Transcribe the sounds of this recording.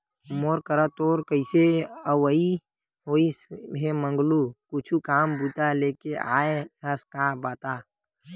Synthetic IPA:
moːɾkəɾat̪oːɾkəɪseəʋəi | ɦoːisɦemə̃ŋɡlukʊt͡ʃʰukaːmbuːt̪aleːkea̰ːeɦəskabaːt̪aː

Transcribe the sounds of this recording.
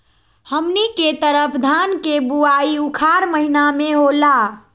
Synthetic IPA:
həmniket̪əɾəpʰd̪ʱankebuaiukʰaɾməɦinameɦola

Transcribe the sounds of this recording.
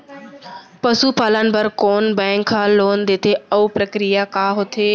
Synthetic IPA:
pəsupaːlənbəɾkoːnbɛ̃ːŋkʰaːloːnd̪eːt̪ʰeɐupɾəkɾijakaːɦot̪ʰeː

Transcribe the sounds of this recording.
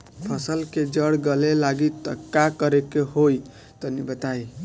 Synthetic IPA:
pʰəsəlked͡ʒəɽɡəlelaɡit̪əkːakəɾekeɦoj | t̪ənibət̪ai

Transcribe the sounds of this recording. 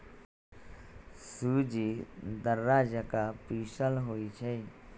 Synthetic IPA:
suːd͡ʒid̪əɾːaːd͡ʒəkapiːʃəlɦoːit͡ʃʰe

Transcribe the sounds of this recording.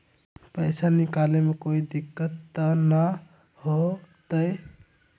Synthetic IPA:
pəjsanɪkaːlemẽkoːid̪ɪkːət̪na | hot̪əj

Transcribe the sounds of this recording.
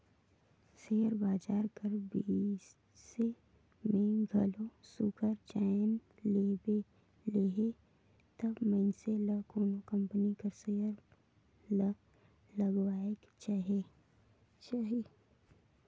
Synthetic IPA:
seːəɾbaːd͡ʒaːɾkəɾbi | se | mẽɡʱɐlõsukʰəɾd͡ʒaːjnlebe | leːɦe | t̪ɐbmənseləkoːnokɐ̃mpənikəɾsejəɾ | lə | lɐɡwaːek | t͡ʃaːɦe | t͡ʃaːɦi

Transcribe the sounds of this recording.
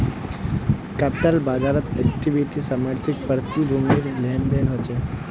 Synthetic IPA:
kɛpɪʈəlbaːd͡ʒaɾət̪ɛkʈiʋiʈisamaɾt̪ʰɪk̚pəɾt̪ibʱumɡiɾlɛmb̪enɦot͡ʃe

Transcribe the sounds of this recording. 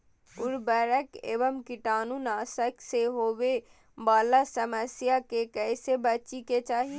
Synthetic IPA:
ʊɾbəːɾəkḛːʋəmkiʈaːnunaːsəkseɦoːʋe | baːlasəməsjakekɛːsebət͡ʃiket͡ʃaːɦi

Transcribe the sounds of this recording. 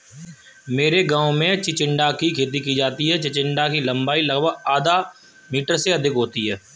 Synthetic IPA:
meːɾeɡaːõmẽt͡ʃɪt͡ʃɪ̃ɳɖakikʰeːt̪̬ikid͡ʒaːt̪iɦɛt͡ʃɪt͡ʃɪ̃ɳɖakilɐ̃mbaːilɐɡbaaːd̪a | miːʈəɾseɐd̪ʱɪkɦoːt̪iɦɛː

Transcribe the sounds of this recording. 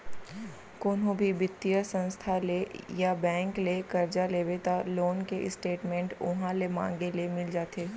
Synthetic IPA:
koːnɦõbʱibɪt̪ːijəsə̃nst̪ʰalejabɛ̃ːŋklekɐɾd͡ʒaleːʋet̪aloːnkeʔɪsʈeːʈmẽɳʈʊ̰ɦãlemã̰ːŋɡelemɪld͡ʒaːt̪eː

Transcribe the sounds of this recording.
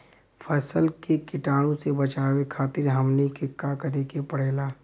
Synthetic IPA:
fʰɛːsəlkekɪʈaːɽ̃õsebɐt͡ʃaːwekʰaːt̪ɪɾɦɐmlekɪkːakəɾekepəɽ̤eːlaː

